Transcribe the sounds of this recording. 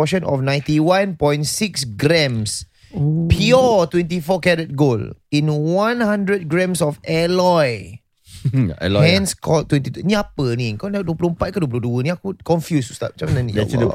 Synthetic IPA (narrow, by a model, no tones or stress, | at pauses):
ɔʃə̃nɔ̰fnãjntiwãnpɔ̃j̃nsiksɡɾɛ̃ms | pʰiɔtwɛ̃nt̬ifɔkɛdət̚ɡolĩnwãnhãndɹəd̚ɡɹɛ̃msɔfɛlɔj | ɛ̰hɛ̃nskʰɔtːwɛ̃ntitunĩapənikɔnaduəplompat̚kãɔduəp̬uloduənĩakukɔ̃ɱfjusu̥st̪a̰ʔ̚t͡ʃamananĩɛ